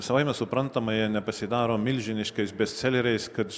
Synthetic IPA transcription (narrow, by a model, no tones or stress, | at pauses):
sɐʋɐɪmʲɛsʊpɾɐnt̪ɐmɐjɛnʲɛpɐsʲɪd̪ɑːɾoːmʲɪlʲʒʲɪnʲɪʃkɐɪsbʲɛsʲt̪sʲɛlʲɛɾʲɛɪskɐt̪